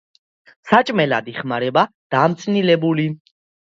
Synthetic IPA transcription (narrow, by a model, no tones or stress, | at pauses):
sat͡ʃʼmɛla̰d̪iχmaɾɛba | d̪̥amt̪sʰʼnilɛbuli